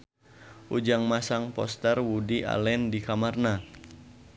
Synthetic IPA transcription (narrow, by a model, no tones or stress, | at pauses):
ʔud͡ʒaŋmasaŋpɔ̰st̪ɛrwudiʔa̰lɛndikamarna